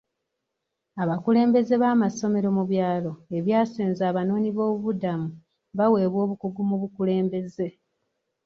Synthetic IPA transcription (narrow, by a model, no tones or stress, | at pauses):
aβakule̞ːmbe̞ze̞βaːmaso̞me̞ɾo̞muβjaːlo̞eβjaːseːnzaːβano̞ːniβo̞ːβuβudamu | βawe̞ːβwo̞ːβukuɡumuβukule̞ːmbe̞ze̞